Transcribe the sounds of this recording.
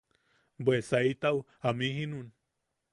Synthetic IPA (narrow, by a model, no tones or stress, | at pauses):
bwesait̪aw | amĩɦinun